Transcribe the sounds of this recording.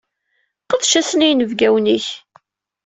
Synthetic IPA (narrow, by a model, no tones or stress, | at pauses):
qəðʃæsənijnəvɡæwniç